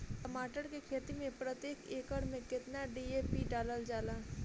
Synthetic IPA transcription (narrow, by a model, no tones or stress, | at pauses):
ʈəmaːʈəɾkekʰeːt̪imẽpɾət̪jeːkeːkəɽmẽkɪt̪naɖiːeːpiɖaːləld͡ʒaːlaː